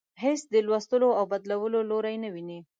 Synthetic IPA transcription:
ɦesd̪əlwast̪əloawbad̪lawəloloɾajnawini

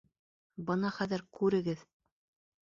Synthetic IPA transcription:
bɤnɑχæðɘɾkʉɾɘ̆ɡɘð

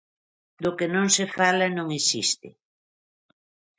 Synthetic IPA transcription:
d̪ʊkenõŋsefalanõŋesist̪ɪ̰

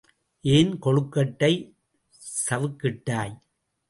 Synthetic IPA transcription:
ʔeːnkɔɻɯkːɐʈːɐɪ | sɐʋɯkːɪʈːaːj

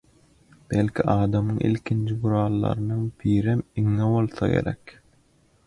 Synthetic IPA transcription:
b̥elʲkʰʲiʔɑːd̪ɑmɯŋʔḭlkʲʰind͡ʒibuɾɑːlˠːɑ̰ɾɯnɯŋbʰiːɾemiŋːeβo̞lˠθɑ̰ɡe̞̰ɾek

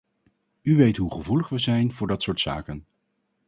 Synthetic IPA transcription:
yʋejtɦuχəvuləχʋəzɛjnv̥ʊːɹdɑtsʊːɹtsa̰ːkən

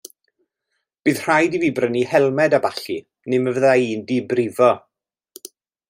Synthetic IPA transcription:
b̥ɨːð̥r̥ajdiviːbrənihɛlˠmɛdabaɬi | nɪməvəðajiːndibrɪvɔ

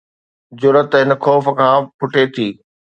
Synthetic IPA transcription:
zʊɾət̪ɦɪnə̆xɔːf̆kʰãːpʰʊʈet̪ʰiː

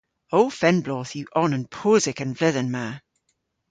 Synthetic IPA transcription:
oʊfɛ̃nblɔːθjuʔɔnə̃npʰoːzɪkə̃nvlɪðənmaː

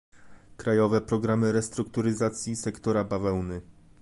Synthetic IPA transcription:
kɾajɔvɛpɾɔɡɾamɘɾɛst̪ɾukt̪uɾɘzat̪sʲjisɛkt̪ɔɾabavɛwnɘ

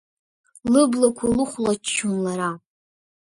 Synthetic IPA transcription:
lɨblakʷʰalɨχʷlat͡ʃt͡ʃʰːunlaɾa

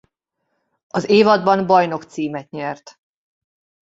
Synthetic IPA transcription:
ɒzeːvɒd̪bɒnbɒjno̞kt̪siːmɛt̪ɲɛrt̪

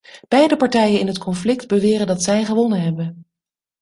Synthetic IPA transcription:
b̥ɛjdəpɑɹtɛjənɪnɦətkʰɔnflɪkdbəʋɪːrəndɑtsɛjχəʋɔnənɦɛbən

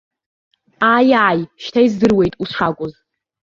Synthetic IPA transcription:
ajajʃtʰajzdɨrwe̞jtʼusʂakʷʼʊz

